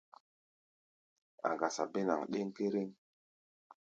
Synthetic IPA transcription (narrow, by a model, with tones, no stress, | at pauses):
a̰˨ɡa˨sa˨be˦na̰˨ŋɗe˦ŋke˦ɾe˦ŋ